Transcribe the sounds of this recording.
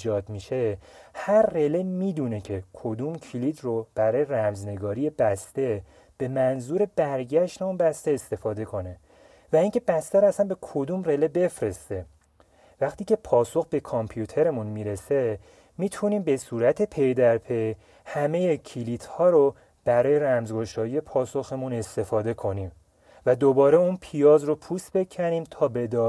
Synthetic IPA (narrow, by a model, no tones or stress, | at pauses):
d͡ʒɒːd̪miʃe̞hæɾːe̞le̞miːd̪une̞cʰe̞kʰod̪umcʰilit̪ʰrob̥æɾɒːje̞ɾæmzne̞ɡɒːɾije̞bæst̪e̞ | b̥e̞mænzuɾe̞bæɾɟæʃt̪e̞unbæst̪e̞est̪e̞fɒːd̪e̞kʰo̞ne̞ | væiŋcʰe̞bæst̪æɾoæsænbe̞kʰod̪umre̞lebe̞fɾe̞st̪e̞ | væxt̪iːkcʰe̞pʰɒːso̞xbe̞kʰɒmpʰjut̪ʰe̞ɾe̞munmiɾe̞se̞ | miːt̪ʰuniːmbe̞suːɾæt̪ʰe̞pʰe̞jd̪æɾpʰe̞j | hæme̞jecʰilit̪ʰhɒːɾo | b̥æɾɒːje̞ɾæmzɡo̞ʃɒːjije̞pʰɒːso̞xe̞mune̞st̪e̞fɒːd̪e̞kʰo̞niːm | væd̪obɒːɾe̞unpʰijɒːzropʰust̪be̞cʰæɾiːmt̪ʰɒːbe̞d̪ɒ